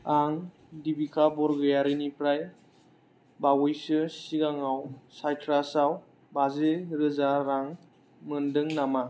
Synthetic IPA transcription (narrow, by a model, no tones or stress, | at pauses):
aŋ | dibikʰabɔɾɡɯjaɾɯnipɾaj | bawɯjsɯsiɡaŋawsajtʰɾasaw | bazeɾɯzaɾaŋ | mɯndɯŋnama